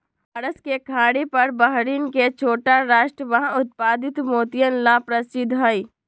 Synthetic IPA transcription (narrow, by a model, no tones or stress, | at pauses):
ɐɾəskekʰaːɽipɐɾbəɦɾinket͡ʃʰoːʈaɾaːʃʈɾəʋəɦãʊt̪̚paːd̪ɪt̪moːt̪ijənlapɾɐsɪd̪ʱɦəi